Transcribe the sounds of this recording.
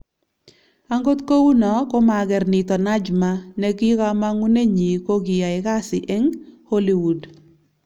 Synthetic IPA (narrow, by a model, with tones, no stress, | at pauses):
a˦ŋɡo˦t̪ko˦wu˦nɔ˨ko˦ma˨ɡɛ˨rnɪ˨tɔ˨na˦d͡ʒma˦ne˦ki˦ka˦ma˦ŋu˦ne˦ɲi˨ko˦ɡɪ˨ja˨ɪ˨ka˦sɪ˨ʔɛ˦ŋho˦li˨wu˨d